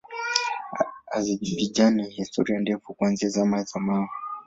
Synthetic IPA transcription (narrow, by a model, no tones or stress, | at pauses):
azid͡ʒivid͡ʒanɛhistʰɔɾiandɛfukwanziazamazamau